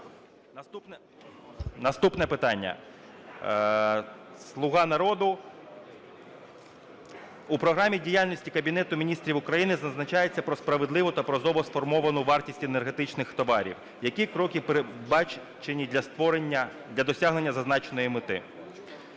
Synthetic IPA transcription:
ɐt̪upɛ | nɐst̪upnɛpɪt̪ɑnʲːɐ̰ | slˠʊɣɑnɐɾɔd̪ʊ | upɾɔɦɾɑmʲidʲijalʲnɔsʲtʲikɐbʲinɛt̪ʊmʲinʲist̪ɾʲiwʊkɾɐjinɪzɐznɐt͡ʃɑjet͡sʲːɐpɾɔspɾɐʋed̪lˠɪʋʊt̪ɐpɾɔzɔʋɔsfɔrmɔʋɐnʊʋɑrtʲisʲtʲenerɦe̞t̪ɪt͡ʃnɪxt̪ɔʋɑɾʲḭw | jɐkʲikɾɔkʲɪpeɾebɑ | t͡ʃenʲid̪ʲlʲɐst̪ʋɔɾenʲːɐ | d̪ʲlʲɐd̪ɔsʲaɦne̞nʲːɐzɐznɑt͡ʃenɔjimɪt̪ɪ̰

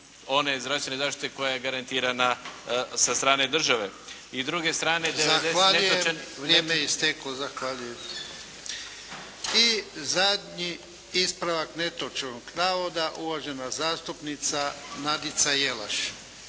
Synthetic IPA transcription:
o̞ne̞zdɾafst̪enezaːʃt̪i̥t̪eko̞jaɡaɾant̪iɾanasast̪ɾaːned̪r̩ʒaʋe | izd̪ɾuɡest̪ɾaːned̪ezaexd̪eaʎeujeʋɾjeːmeist̪eklozaxʋaʎujem | izad̪ɲi | ispɾaʋakne̞t̪ot͡ʃenoɡnaːʋod̪aʔuʋaʒenazaːst̪upnit̪sanad̪it̪sajela̰ʃ

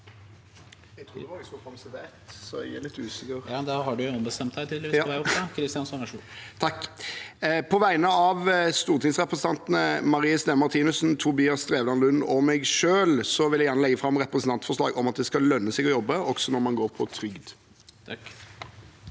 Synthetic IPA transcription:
ɛt̪ʰɾuːd̪ɛʋɔsɔlkʰɔmst̪əd̪æːt̪sɔælɪt̪ʰːʉːsɪkəʁd̪æɾhɑɖʉɔmbəst̪ɛmt̪æɪt̪ʰid̪lʋɪʋæɔpkʰɾɪst̪jɑnsɔnəʂt̪ʰɑkː | pʰɔʋæɪnəɑʋst̪uːʁt̪ʰɪŋsʁɛpɾəsəɑnt̪nəmɑʁiːəsd̪ɛmɑʁt̪ʰiːnʉsnt̪ʰʊbiːɑst̪ɾeːʋlɑnlʉnːɔmɛɪɡʂøːlsɔʋɪljæɪjæːnəlɛɡːəfɾɑmʁɛpɾəsən̩t̪ɑnt̪fɔʁʂlɑ̰ːɡɔmɑt̪̚d̪ɛskɑlːœnːəsɛɡɔjɔbːəɔɡsɔnɔɾmɑnɡoːɾpʰɔt̪ʰɾʏɡd̪ʰ

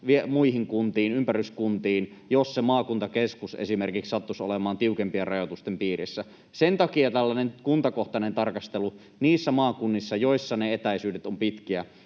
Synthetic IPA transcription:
ʋiemuihiŋkunt̪iːnympæryskunt̪iːnjossemɑːkunt̪ɑkeskusḛsimerkikssɑt̪ːuso̰lemɑːnt̪iukempierɑjot̪ust̪empiːrḭsːæ | sent̪ɑkiɑt̪ælːænenkunt̪ɑkoht̪ɑnent̪ɑrkɑst̪elu | niːsːæmɑːkunːisːɑjoisːɑneet̪æisyːdet̪ompit̪kiæ

